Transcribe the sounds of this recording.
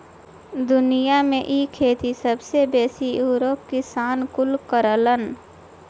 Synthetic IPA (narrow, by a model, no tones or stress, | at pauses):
d̪ʊnijamẽʔiːkʰeːt̪isəbsebɛːsijuːɾoːp̚kɪsaːnkʊlkəɾələn